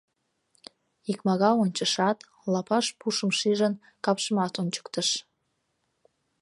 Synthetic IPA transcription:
ikmɑɣɑonʲt͡ɕəʃɑt̪ | lɑpɑʃpuʃəmʃiʒən | kɑpʃəmɑt̪onʲt͡ɕə̥kt̪əʃ

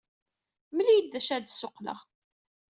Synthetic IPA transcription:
məlijəd̪ːæʃæd̪sʊqːlə̰ʁ

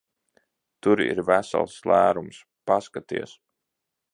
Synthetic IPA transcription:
t̪uɾḭɾvæsa̰lˠslˠæːɾums | paskat̪ḭɛs

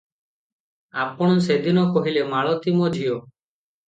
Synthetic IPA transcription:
apɔɽ̃ɔsed̪inɔkɔɦilemaɭɔt̪imɔd͡ʒʱio

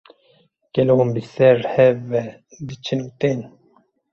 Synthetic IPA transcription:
kɛlohumbisɛɾhɛvɛ | d̪ɨt͡ʃʰinut̪eːn

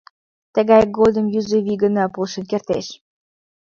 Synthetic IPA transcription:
t̪ə̆ɣɑjɡod̪ə̆mjyzoβiɡə̆nɑpulʃə̆nkert̪eʃ

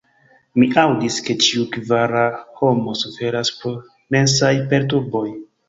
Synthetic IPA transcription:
miʔawdiske̞t͡ʃiukvaɾaho̞mo̞sufe̞ɾaspoɾ | me̞nsajpe̞ɾt̬uɾbo̞j

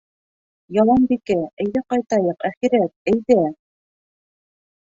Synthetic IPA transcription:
jɑlˠɑnbikɘæ̆jðæqɑjt̪ɑjɤqæχiɾæt̪̚æjðæ

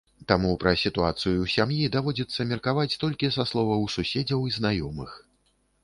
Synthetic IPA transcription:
t̪amupɾɐsʲit̪uat̪sɨjusʲamjid̪avɔd͡zʲit̪sːɐmʲɛrkavat͡sʲt̪ɔlʲkʲisɐslˠɔvɐwsusʲed͡zʲɐwiznajɔmɨx

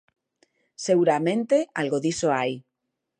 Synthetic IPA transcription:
seɣuɾamẽ̞nt̪e̞alɣoðisoaj

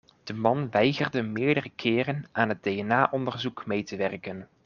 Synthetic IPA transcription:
d̥əmɑnʋɛjɣərdəmɪːɹdərəkʰɪːrənʔaːnɦəd̚dejɛnaːʔɔndərzukmejtəʋɛrkən

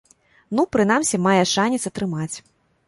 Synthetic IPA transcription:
nupɾɨnamsʲimajɛʂanʲit̪sɐt̪ɾɨmat͡sʲ

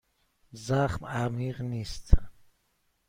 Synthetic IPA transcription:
zaχmamiʁnist̪ʰa

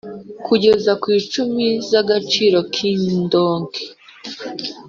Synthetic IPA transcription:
kuɟe̞zakwiːt͡ʃumizaɡat͡ʃiːɾo̞kʰiːndoːŋɡe

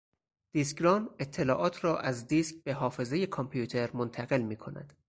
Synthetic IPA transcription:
d̪̥iskɾɒːne̞t̪ʰːe̞lɒːʔɒːt̪ʰɾɒːʔæzd̪isk̚be̞ɦɒːfe̞zeje̞kʰɒmpʰijuːt̪ʰe̞ɾmont̪ʰæɣe̞lmiːkʰo̞næ̰d̪̥

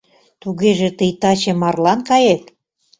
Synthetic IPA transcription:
t̪uɣeʒĕt̪əjt̪ɑt͡ɕĕmɑrlɑnkɑjek

